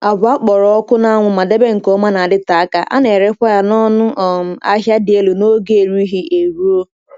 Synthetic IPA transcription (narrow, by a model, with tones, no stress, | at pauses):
a˨bʊ˨a˦k͡pɔ˨ɾɔ˦ɔ˦kʊ˦na˦a˦ŋʷʊ˨ma˨de˦be˦ŋ̩˨kɔ˦ma˦na˨a˨dɪ˦ta˨a˦ka˨ʔa̰˦ne˨ɾe˦kʷa˦ja˨nɔ˦nʊ˦ʔɔ˨m̩˨a̰˦ɦja˦dɪ˨e˦lu˨no˦ɡe˦e˨ɾu˦i˦ɦi˦e˨ɾu˦o˦